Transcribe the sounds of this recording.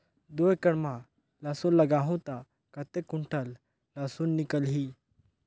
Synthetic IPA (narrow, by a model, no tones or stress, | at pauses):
d̪oːjkɐɽmã | lasũlɐɡaːɦũt̪a | kɐt̪ekuɳʈəl | lasuːnːikəlɦiː